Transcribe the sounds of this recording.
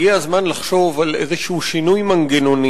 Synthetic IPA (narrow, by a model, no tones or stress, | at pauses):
jeazmanlaχʃo̞valʔezeʃuʃinujmaŋɡenoni